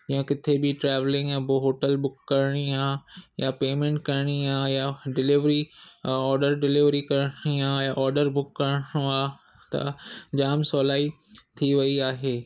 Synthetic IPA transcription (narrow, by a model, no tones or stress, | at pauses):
d͡ʑiːə̃kɪt̪ʰebɪʈɾɛːʋlɪ̃ŋɡjaboɦoːʈəlbʊkːɐɾɽ̃iaːjapeːmẽɳʈ̚kɐɾɽ̃iaːjaɖɪlɪʋɾiɔːɾɖəɾɖɪlɪʋɾikɐɾɽ̃iaːjaʔɔːɾɖəɾbʊkːɐɾɽõaː | t̪ɐ̰d͡ʑaːmsɔːlaːi | t̪ʰiʋɐiaːɦeː